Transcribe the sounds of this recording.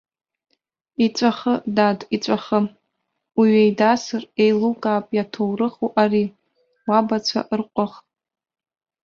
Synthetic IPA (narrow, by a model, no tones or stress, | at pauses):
it͡sʷʼaχədadit͡sʷʼaχəm | wiɥejdasɨrejlukʼaːpʼjatʰowrɨχuʔaɾi | wabat͡sʷʰa̰ʔrqʷʼʊχtʼ